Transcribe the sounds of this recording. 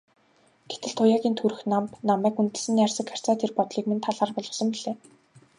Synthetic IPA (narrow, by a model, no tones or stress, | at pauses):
ɡ̥et̪ɘ̆ɮt̪ʰʊjaːɣʲiːnt̪ʰuɾɘ̆xnampnamæːkunt̪ɘ̆sɘ̆niarʲsə̆kʰar̥ʲt͡saːt̪ʰerpɔt̪ɮiːkmĕnt̪ʰaɮaːrpɔɮɞ̆sɞ̆mpiɮeː